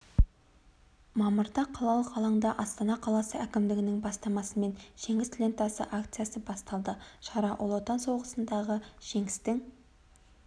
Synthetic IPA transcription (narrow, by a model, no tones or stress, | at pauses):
mɑməɾd̪ɑqʰɑlˠɑlˠəqʰɑlˠɑɴd̪ɑʔɑst̪ɑnɑqʰɑlˠɑsəækʲɪmd̪ɪɡʲɪnɪŋbɑst̪ɑmɑsəme̞nʒ̥e̞ŋɪst̪ʰlʲe̞nt̪ɑsə̰ʔakt̪sɨjasəbɑst̪ɑlˠd̪əʃɑɾɑʔolˠot̪ɑnso̞ʁəsənd̪ɑʁəʒ̥e̞ŋɪ̥st̪ɪŋ